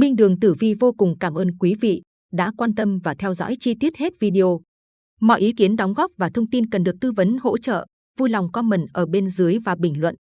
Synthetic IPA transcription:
ɓï˧ŋ̟ɗɨ˨˩əŋt̪ɨ˧˩vi˧vo˧kʊ˨˩ŋ͡mkaː˧˩mʔəː˧nkwi˨˦vḭ˧˨ | ɗa̰ː˧˥kwaː˧nt̪ə˧mvaː˨˩t̪ʰɛ˧wzɔ̰˧˥jt͡ɕi˧t̪i˦˥ət̚he˦˥t̚vi˧ɗi˧ʔo˧ | mɔ̰˧˨jʔi˨˦ki˨˦ənɗa˨˦wŋ͡mɣɔ˦˥p̚vaː˨˩t̪ʰə˧wŋ͡mt̪i˧nkə˨˩nɗɨ˨˩ək̚t̪ɨ˧və˨˦nho̰˧˥t͡ɕə̰ː˧˨ | vu˧jla˨˩wŋ͡mkɔ˧mə˨˩nʔəː˧˩ɓe˧nzɨ˨˦jvaː˨˩ɓï˧˩ŋ̟lwə̰˧˨nʔ

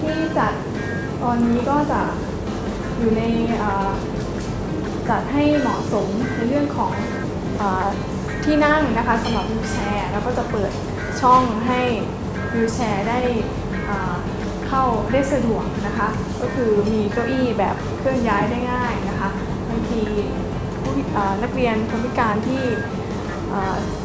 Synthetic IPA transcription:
t̪ʰiː˥˩t͡ɕa˨˩t̪̚ | t̪ːɔː˧nːiː˦˥kɔː˥˩t͡ɕa˨˩ | juː˨˩na˧jʔɤː˨˩ | t͡ɕa˨˩t̪̚ha˥˩jmɔː˩˦so˩˦mna˧jɾɯ˥˩əŋkʰɔː˩˦ŋ | ʔɤː˨˩ | t̪ʰiː˥˩na˥˩ŋna˦˥kʰa˦˥sa˨˧˦mɾa˨˩p̚juː˧t͡ɕʰɛː˧lɛː˦˥wkɔː˥˩t͡ɕa˨˩pɤː˨˩t̪̚ | t͡ɕʰɔ˥˩ŋɦa˥˩j | jiː˧t͡ɕʰɛː˧daː˥˩j | ʔaː˨˩ | kʰa˥˩wdaː˥˩jsa˧du˨˩ək̚na˦˥kʰa˦˥ | kɔː˥˩kʰɯː˧miː˧kɾoː˦˥ʔiː˥˩bɛ̰ː˨˩p̚kʰɾɯ˥˩əŋjaː˦˥jdaː˥˩jŋaː˥˩jna˦˥kʰa˦˥ʔ | ba˧ŋt̪ʰiː˧ | pʰu˦˥˦ʔaː˨˩na˦˥k̚ɾi˧ənpʰu˧˥˩pʰi˦˥kaː˧nt̪ʰiː˥˩ | ʔaː˨˩

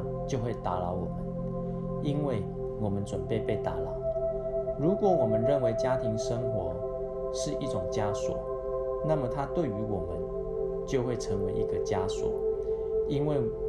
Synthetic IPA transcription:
t͡ɕjo˥˧ʊxwe˥˩ɪt̪a˧˥˦lɑ˧˦ʊwɔ˨˩mə˦n | i˦nwe˥˩ɪ | wɔ˨˩mə˨˦nt͡swə˨˩npe˥˧ɪpe˥˩ɪt̪a̰˨˥lɑ˨˦ʊ | ɻu˨˦˥kwɔ˨˥˦wɔ˨˩mə˨˦nɻə˥˨nwe˧˥ɪt͡ɕja˦t̪ʰi˧˥ŋʂə˦ŋxwɔ˧˥˦ | ʂɻ̩˥˧i˥˩ʈ͡ʂʊ˨˩ŋt͡ɕja˦swɔ̰˨˩˦ | na˥˩mə˨˩t̪ʰa˦t̪we˥˩ɪy˧˥wɔ˨˩mə˦n | t͡ɕjo˥˧ʊxwe˥˩ɪʈ͡ʂʰə˧˥ŋwe˧˥ɪʔi˧˥ɡə˧t͡ɕja˦swɔ̰˨˩˦ | i˦˥nwe˥˩ɪ

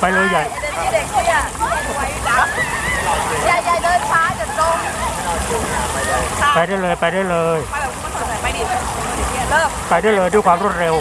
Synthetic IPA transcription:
pa˧jlɤː˧ja˨˩jde˨˩˥a˧jjaː˧˩ja˧˩dɤː˧nfaː˨˦t͡ɕa˨˩t͡ɕoː˧˩˨u˧˩˧a˧jlːpa˧jda˥˩jlɤː˧jpa˧jda˥˩jlɤː˧ja˧˥˧i˧˩lɤː˥˩mpa˧jdu˥˩jlɤː˧jdu˥˩˨jkʰwaː˧mɾu˥˩ət̪̚ɾe˧w

